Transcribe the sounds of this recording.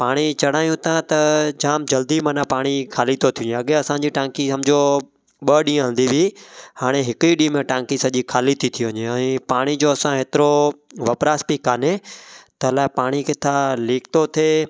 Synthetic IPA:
paːɽ̃it͡ɕɐɽ̤aːjũt̪ʰãt̪ɐd͡ʑaːmd͡ʑɐld̪imənãpaːɽ̃ikʰaːlit̪ʰot̪ʰijũɲẽɐɠeɐsãd͡ʑiʈãːŋkisɐmd͡ʑo | ɓəɗĩːɦə̃nd̪iʋiihaːɽ̃eɦɪkiɗĩːmẽʈãːŋkisɐʄikʰaːlit̪ʰit̪ʰijoʋɪɲeɛ̃ːpaːɽ̃id͡ʑoːɐsãɦeːt̪ɪɾoʋɐpɾaːspikaːnet̪ɐɦlaːepaːɽ̃iket̪ʰaliːkt̪ot̪ʰeː

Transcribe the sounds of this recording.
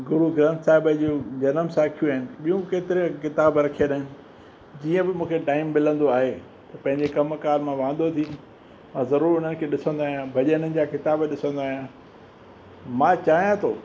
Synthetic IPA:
ɡʊɾuɡɾãːnsaːɦɪbəd͡ʑuːd͡ʑɐnəmsaːkʰijũaːɦɪnɪ̆ɓijũkeːt̪ɪɾekɪt̪aːbɾɐkʰieɗaːɦɪnɪ̆ | d͡ʑiːə̃bɪmũːkʰeʈaːɪmːɪlə̃nd̪oaːɦe | t̪ɐpɐ̃ɦɪ̃ɲd͡ʑekɐmkaːɾmãʋãːn̆d̪ot̪ʰi | mãːzɐɾuːɾʊn̤ənɪ̆kʰeːɗɪsə̃nd̪aːɦijãbʱɐʄənənɪ̆d͡ʑaːkɪt̪aːbɗɪsə̃nd̪aːɦjã | mãːt͡ɕaːɦijãt̪ʰoː

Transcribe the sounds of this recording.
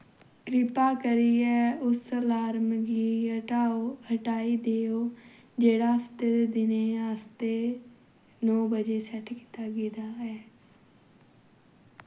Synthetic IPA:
kɾɪpaːkəɾiːɛːʊslaːɾmɡiːɦəʈaːoːhəʈaːiːd̪eːoː | d͡ʒeːɽaːft̪eɾd̪ɪneːaːst̪eː | nɔːbəd͡ʒeːsɛʈki̥ːt̪aːɡiːd̪aːɛː

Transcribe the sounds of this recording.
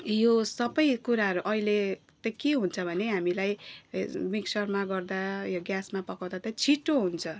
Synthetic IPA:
josʌbʌjkuɾaɦʌɾuʔʌile | t̪ʌkeɦunt͡sʰʌbʱʌneɦamilaj | miksʌrmaɡʌrd̪ajoɡjasmapʌkawd̪at̪ʌt͡sʰiʈoɦunt͡sʰʌ

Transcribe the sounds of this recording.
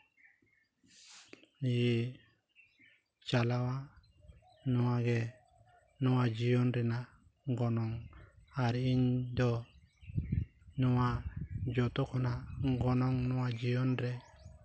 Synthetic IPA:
ji | t͡ʃalawa | nɔwaɡɛ | nɔwad͡ʒiɔnɾɛna | ŋɡɔnɔŋaɾiɲd̪ɔ | nuwad͡ʒɔt̪ɔkʰɔnaɡɔnɔŋnɔwad͡ʒiɔnɾɛ

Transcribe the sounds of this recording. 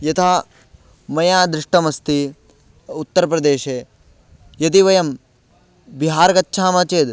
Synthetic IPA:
jɐt̪ʰaː | mɐjaːd̪ɾɪʂʈɐmɐst̪i | ut̪ːɐɾɐp̬ɾɐd̪eːʃeː | jɐt̪̬iʋɐjɐm | biɦaːɾɐɡɐtːʃʰaːmɐt͡ʃeːd̪

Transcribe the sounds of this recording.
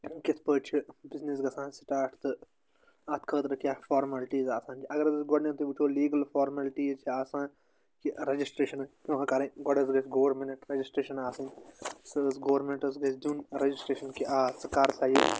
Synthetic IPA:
kɐt̪ʰpəːt͡ʃʰibiznis̬ɡɐsãːnsʈaːʈʰt̪ɨ | aːt̪kʰəːt̪ɾɐkʲjaːfaːɾmɐlʈiːzaːsãːnt͡ʃʰiʔɐɡɐɾɐzɐsɡoːɾmẽnt̪ubut͡ʃʰoːliːɡɐlfaːɾmɐlʈiːzt͡ʃʰiaːsãːn | kiɾɐd͡ʒisʈɾeːʃɐnkʲũːkʰɐkɐɾɐ̃ɡɔɖɐzɡɐt͡ʃɡoːʋɐɾmenʈɾɐd͡ʒisʈɾeːʃɐnaːsɐ̃nsɐsɡoːɐɾmẽɳʈɐsɡɐt͡ʃʰd̪uːnɾɐd͡ʒisʈɾeːʃɐnkiʔaːsɐkaɾt̪ʰaːji

